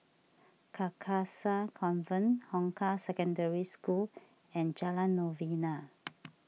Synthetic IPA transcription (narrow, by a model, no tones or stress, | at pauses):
kʰakʰasakʰɔ̃nvə̃nhɔ̃ŋkʰasɛkə̃ndəɹiskul | ɛ̃nd͡ʒalãnːɔvina